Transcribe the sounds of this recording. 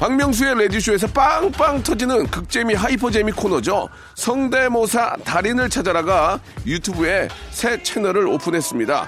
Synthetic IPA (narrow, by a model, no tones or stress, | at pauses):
paŋmjʌŋs̬ʰue̞ɾe̞diɕʰue̞sʰʌp͈aŋp͈aŋtʰʌd͡ʑinɯnkɯk̚t͡ɕ͈e̞miɦaipʰʌd͡ʑemikʰonʌd͡ʑo | sʰʌŋde̞mosʰataɾinɯɭt͡ɕʰad͡ʑaɾaɡajutʰubue̞sʰe̞t͡ɕʰe̞nʌɾɯɾopʰunɦe̞s͈ɯmɲida̰